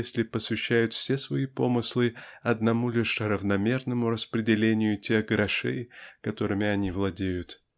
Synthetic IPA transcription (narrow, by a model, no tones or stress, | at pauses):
esʲlʲɪpəsvʲɪɕːæjʊt̪fsʲe̞svɐipo̞mɨslˠɨɐd̪nɐmulʲɪʂɾəvnɐmʲe̞rnəmʊɾəspɾʲɪdʲɪlʲenʲɪjʊtʲeɣɡɾɐʂɨ̰jkɐt̪o̞ɾɨmʲɪɐnʲivlˠɐdʲejʊt̪